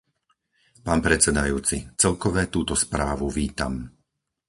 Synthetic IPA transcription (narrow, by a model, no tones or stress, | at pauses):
paːnpɾɛt͡sɛd̪ajuːt͡sit͡sɛlkɔʋɛːt̪uːt̪ɔspɾaːʋuʋiːt̪am